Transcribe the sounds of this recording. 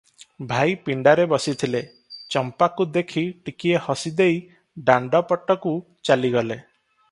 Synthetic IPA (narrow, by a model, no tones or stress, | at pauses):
bʱajpiɳɖaɾebɔsit̪ʰile | t͡ʃɔmpakud̪ekʰiʈikiehɔsid̪ej | ɖaɳɖɔpɔʈɔku | t͡ʃaliɡɔle